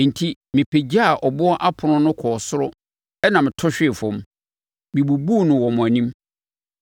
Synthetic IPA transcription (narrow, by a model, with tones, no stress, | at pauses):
n̩˨tʰi˦mɪ̃˨pʰe˨d͡ʑa˦a˨ʔɔ˨bʊ˦ɔ˦ʔa˦pʰʊ˨nʊ̃˦nʊ̃˦kʰɔː˨sʊ˦ɾʊ˦ | ɛ˦nã˨mɪ̃˨tʰɔ˦ɕᶣɪ˦ɪ˨fɔ̃˨m˦ | mɪ̃˨bu˨bu˦˨nʊ̃˨wɔ˨mʊ̃˨æ˨nĩ˦m